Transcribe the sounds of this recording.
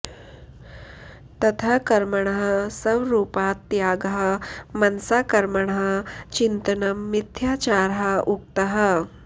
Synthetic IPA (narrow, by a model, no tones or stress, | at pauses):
t̪ɐt̪ʰakɐɾməɳ̃ɐɦə̆sɐʋɾuːpaːt̪ːjaːɡəɦəmɐnsaːkɐɾməɳ̃əɦə̆t͡ɕint̪ɐnɐmːit̪ʰjaːt͡ʃaːɾɦɐuk̚t̪ɐɦə̆